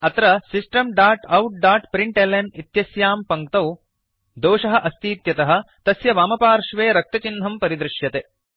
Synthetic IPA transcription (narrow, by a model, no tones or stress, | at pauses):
ɐt̪ɾɐsisʈɐmɖaːɾʈɐwʈ̚ɖaːɾʈpɾiɳʈelenit̪jɐsjaːmpɐŋk̚t̪ɐw | d̪oːʂɐɦɐ̆ʔɐst̪iːt̪jɐt̪ɐɦɐ̆t̪ɐsjɐʋaːmɐpaːɾʃʋeːɾɐk̚t̪ɐt͡ʃinʱɐmpɐɾid̪ɾɪʃjɐt̪e